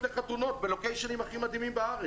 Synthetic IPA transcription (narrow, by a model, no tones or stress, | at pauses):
eχat̪uno̞tbelo̞kejʃanimaχimad̪imimbaaʁe